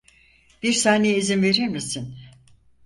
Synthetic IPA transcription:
b̥iɾsaːne̞jeizinve̞ɾiɾmisin

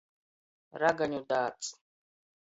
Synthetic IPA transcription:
ɾaɡaɲudaːt͡sʼ

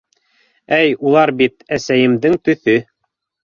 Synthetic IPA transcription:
æjulˠɑɾbit̪æsæjɘ̆mðɘŋt̪ɵ̆θɵ

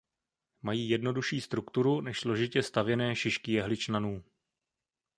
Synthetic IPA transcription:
majiːjɛdno̞duʃiːst̪ɾukt̪uɾunɛʃslo̞ʒɪcɛst̪avjɛnɛːʃɪʃkɪjɛɦlɪt͡ʃnanuː

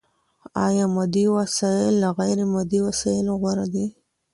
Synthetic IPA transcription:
ɑ̰jɑmad̪iwasɑjɪlːaɣajɾemad̪iwasɑjɪloɣwaɾad̪i

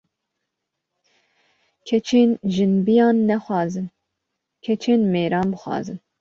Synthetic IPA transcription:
kʲʰɛt͡ʃʰeːnʒɨnbijɑːnːɛxwɑːzɨn | kʰɛt͡ʃʰeːnmeːɾɑːnbɨxwɑ̰ːzɨn

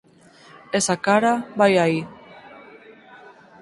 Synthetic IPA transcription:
esakaɾaβajai

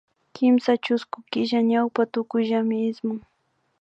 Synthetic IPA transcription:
kɪmsat͡ʃʊskʊkɪʒaɲawpat̪ʊkʊjʒamɪɪsmʊŋ

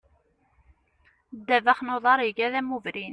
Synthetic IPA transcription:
d̪ːævæχnoðˤɑɾˤiʝæðæmuvɾin

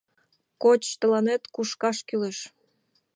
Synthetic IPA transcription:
kot͡ɕt̪əlɑnet̪kuʃkɑʃkyleʃ

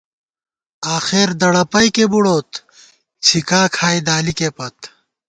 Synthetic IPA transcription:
aːxeɾd̪ɐɽɐpɐjkebuɽoːt̪ | t͡ɕʰikaːkʰaːjd̪aːlikeːpɐt̪

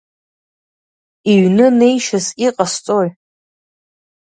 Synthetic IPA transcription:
iɥnɨne̞jʃaziqʼast͡sʼoj

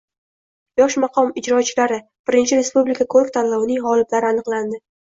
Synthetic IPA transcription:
jɒʃmaqʰɒmɪd͡ʒɾɒt͡ʃʰɪlaɾɪ | b̥ɪɾɪnt͡ʃʰɪɾe̞spublikʰakʰoɾkt̪ʰanlɒwnɪŋʁɒlɪp̪laɾɪanɨqlˠand̪ɪ

